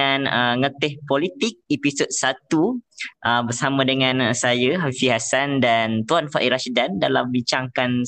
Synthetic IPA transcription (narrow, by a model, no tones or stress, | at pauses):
anəŋət̪ɪhpolit̪ik̚episot̪̚sat̪uʔəbərsamãdəŋãnsajəɦafifiɦasandant̪uanfaʔiɾaʃidandalambiɲt͡ʃaŋkan